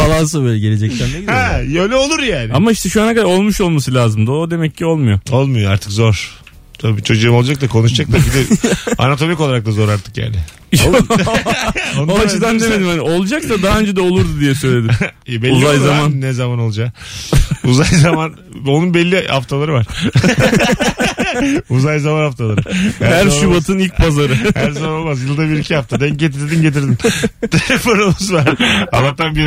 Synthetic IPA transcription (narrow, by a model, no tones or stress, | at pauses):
alˠaːs̬abøjlʲɛɟe̞lʲed͡ʒɛct̪ænneɟiɛøjlʲɛo̞lˠuɾjaːnɪamaiʃt̪ʰɛʃuanhakad̪aɾo̞lˠmuʃo̞lˠmas̬ɯlʲaːzɯmd̪ɯod̪e̞mɛcːio̞lˠmujo̞o̞lˠmujoa̰ɾt̪ʰɯ̥kzo̞ɾ̥ | t̪ʰabibit͡ʃʰo̞d͡ʒuːɯmo̞lˠd͡ʒak̚t̪akʰo̞nuʃd͡ʒakt̪abid̪ɛa̰nat̪ʰo̞mikolˠaɾak̚t̪azo̞ɾaɾt̪ʰɯ̥kja̰ːnɪ | onoat͡ʃɯd̪and̪e̞me̞d̪imhanio̞lˠd͡ʒak̚t̪ad̪aɦaø̞nd͡ʒɛd̪ɛo̞lˠuɾd̪ud̪ijɛsøjlʲe̞d̪ibɛlʲuzajzamannːɛzamano̞lˠd͡ʒa | uzajzaman | o̞nunbɛlʲːiha̰ft̪ʰalˠaɾɯvaɾ̥ | uzajzamanhaft̪ʰalˠaɾɯahæɾʃubat̪ʰɯnilʲc̚pʰazaɾɯhæɾzamanomazjɯlˠd̪abiɾicʰihaft̪ʰad̪ɛɲ̚ɟet̪̬ʰiɾd̪inɟe̞t̪̬iɾd̪int̪ʰeefoɾonɯzvaɾa̰lˠːakt̪ʰanbi